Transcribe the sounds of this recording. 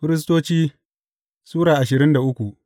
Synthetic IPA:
ɸɪ˦ɾɪ˦s̬toː˦t͡ʃiː˦ | suː˦ɽaː˨ʔa˨ʃɪ˨ɾɪ˦nda˨ʔʊ˦kʷu˨ʔ

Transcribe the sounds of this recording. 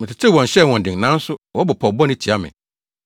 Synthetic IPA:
mɪ̃˨tʰɪ˨tʰɪ˦wɔ̃˨n̩˨ɕɛ˦˨wɔ̃˨ndɪ̃˨ŋ˨nã˦n̩˦sʊ˦wɔ˦bɔ˨pʰɔ˨bɔ˦nɪ̃˦t͡ɕʰi˨a˦mɪ̰̃˨

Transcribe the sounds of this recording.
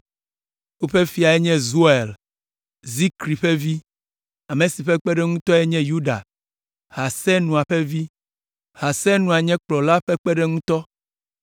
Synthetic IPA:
wo˦ɸe˦fi˨˦a˨ɛ˦ɲɛ̃˦zu˦e˨l | zi˦kɾi˨ɸɛ˦vi˦ | a˨mẽ˨si˨ɸɛ˦k͡pɛ˦ɖɛ˦ŋũ˦t̪ɔ˦ɛ˦ɲɛ̃˦ju˦ɖa̰˨ | ha˨sɛ˦nũ˨a˨ɸɛ˦vi˦ | ha˨sɛ˦nũ˨a˨ɲɛ̃˦k͡plɔ˨la˦ɸɛ˦k͡pɛ˦ɖɛ˦ŋũ˦t̪ɔ˦

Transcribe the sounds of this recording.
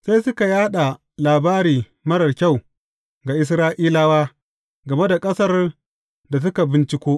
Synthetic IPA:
sa˦jsʊ˦ka˨jaː˦ɗa˨ | laː˨baː˦ɾiː˨ | mɐ˦ɽɐ˨rkʲa˦˨w | ɡa˨ʔɪ˦s̬ɾaː˦ʔiː˦laː˦waː˦ | ɡɐ˨me˦da˨kʼɐ˦sɐ˦r | da˨s̬ʊ˦ka˨bɪ˦nt͡ʃɪ˦kʷoː˦

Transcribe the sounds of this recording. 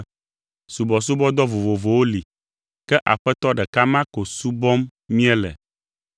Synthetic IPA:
su˨bɔ˨s̬u˦bɔ˦d̪ɔ˦vo˨vo˨vo˨wo˦li˨ | kɛ˦ʔa̰˨ɸɛ˦t̪ɔ˦ɖɛ˨ka˦mã˦ko˨su˦bɔ˦mmĩ˦ɛ˦lɛ̰˨

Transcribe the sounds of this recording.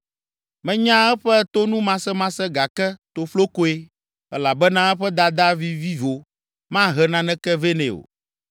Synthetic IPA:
mɛ̃˦ɲã˦ɛ˦ɸɛ˦t̪o˦nũ˦mã˦sɛ˦mã˦sɛ˦ɡa˨kɛ˦t̪o˨flo˦ko˦e˦ | ɛ˦la˨bɛ˦nã˦ɛ˦ɸɛ˦d̪a˨d̪a˦vi˦vi˦vo˨ | mã˦ɦɛ˨nã˦nɛ̃˦kɛ˦ve˦nɛ̃˨o̰˨

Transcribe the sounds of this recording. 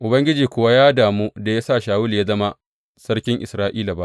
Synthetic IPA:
ʔʊ˨bɐ˦ŋɡʲɪ˦d͡ʒiː˨kʷʊ˨wa˦jaː˦daː˨muː˦da˨ja˦sa˦˨ʃaː˨wʊ˦lja˦zɐ˦ma˦ | sɐ˦ɽkʲɪ˦ŋʔɪ̰˨sɾaː˦ʔiː˦la˨ba˦ʔ

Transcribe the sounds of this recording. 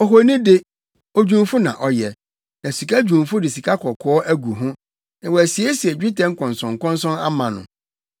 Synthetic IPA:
ɔ˨ɦo˨nĩ˦dɪ˦ | ɔ˦˨d͡ʑᶣũ˦mfʊ˦nã̰˨ʔɔ˨jɛ˨ | nã˨si˨kʰa˦d͡ʑᶣũ˨mfʊ˦dɪ˨s̬i˨kʰa˦kʰɔ˨kʰɔ˨˦ɔ˦ʔæ˦ɡu˨ɦʊ̃˦ | nã˨wɔ˨æ˨si˨e˦si˨ɛ˨d͡ʑᶣi˦tɛ̃˦ŋ̩˦kʰɔ̃˨nsɔ̃˨ŋ̩˨kɔ̃˦nsɔ̃˦na̰˦mã˨nʊ̰̃˨

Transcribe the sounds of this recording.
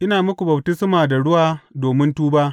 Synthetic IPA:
ʔɪ˦naː˨mʊ˦kʷu˨bɐ˨btɪ˦smaː˨da˨ɽʊ˦waː˨doː˨mɪ˦ntuː˦baː˦ʔ

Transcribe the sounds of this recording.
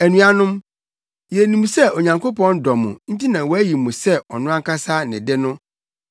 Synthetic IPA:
æ˨nũ˨a˨nʊ̃˦m | jɛ˨nĩ˨m˨sɛ˦o˨ɲã˨ŋkʰo˦pɔ̃˦n˦dɔ˨mʊ̰̃˨n̩˦ti˦nã˨wɔ˦æ˦ji˨mʊ̃˨sɛ˦ɔ˨nʊ̃˦ã˦ŋ˦kʰa˦saː˦nɪ̰̃˨dɪ˦nʊ̃˦

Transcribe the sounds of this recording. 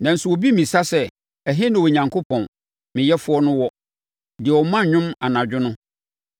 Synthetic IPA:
nã˨n̩˦sʊ˨wo˨bi˦mĩ˨sa˦sɛ˦ | ɛ˨ɦɪ˦nɪ̃˨wo˨ɲã˨ŋkʰo˦pʰɔ̃˨n | mɪ̃˨jɛ˦fʊ˦ɔ˦nʊ̃˦wɔ˦ | dɪ˨ɛ˨wɔ˨mã˦˨˦ɲᶣʊ̃˦ma˨nã˨d͡ʑᶣʊ˦nʊ̃˦

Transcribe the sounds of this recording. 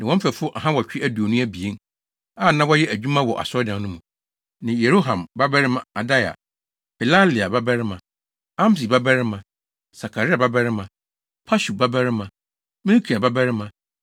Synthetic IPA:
nã˨ɔ̃˦fɛ˨fʊ˦ʔa˨ɦã˦wɔ˨t͡ɕᶣɪ˦ʔæ˦du˨o˨nũ˦æ˦bi˨e˦n˦ | a˦˨nã˦wɔ˦jɛ˦ʔæ˨d͡ʑᶣu˦mã˦wɔ˨ʔa̰˨sɔ˦dã˨˦nʊ̃˦mũ˨ | nã˨je˨ɾo˦ɦã˨mba˦bæ˦ɾɪ˦mã˨a˨da˦ja̰˨ | pʰɛ˨la˦li˨a˨ba˦bɛ˦ɾɪ˦mã˨ | ã˦m˦si˨ba˦bɛ˦ɾɪ˦mã˨ | sa˨kʰa˨ɾɪ˦a˨ba˦bæ˦ɾɪ˦mã˨ | pʰa˦ɕu˨ba˦bæ˦ɾɪ˦mã˨ | mĩ˦ɾkʰi˨a˨ba˦bæ˦ɾɪ˦mã˨

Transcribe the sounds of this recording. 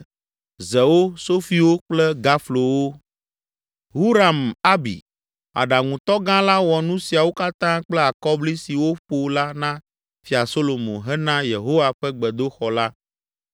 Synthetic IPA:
zɛ˨wo˦so˦fi˦wo˦k͡plɛ˦ɡa˦flo˨wo˦ | ɦu˦ɾa˨ma˦bḭ˨ | a̰˨ɖa˨ŋũ˨t̪ɔ˦ɡã˦la˦wɔ˨nũ˦si˨a˨wo˦ka˦t̪ã˦k͡plɛ˦a˨kɔ˦bli˦si˨wo˦ɸo˦la˦nã˦ | fi˨a˨so˦lo˨mõ̰˨ɦɛ˦nã˦je˨ɦo˦wa˨ɸɛ˦ɡ͡bɛ˨d̪o˦xɔ˨la˦

